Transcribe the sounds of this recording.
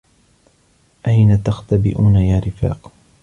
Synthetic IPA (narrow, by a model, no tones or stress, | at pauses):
ʔajnat̪axt̪abɪ̰ʔuːnajaːɾɪfa̰ːq